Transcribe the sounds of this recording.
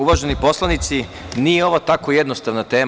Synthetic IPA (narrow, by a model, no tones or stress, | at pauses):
uʋaʒenipo̞slˠanit̪si | nijeo̞ʋat̪ako̞jed̪nost̪aʋnat̪e̞ː